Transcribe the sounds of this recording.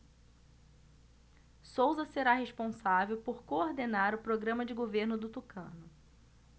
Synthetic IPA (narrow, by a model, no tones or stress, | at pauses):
sowzɐseɾaɦeʃpõsavewpoɾkooɾd̪enaɾʊpɾoɡɾɐ̃mɐd͡ʒɪɡoveɾnʊd̪ʊt̪ukɐ̰̃nʊ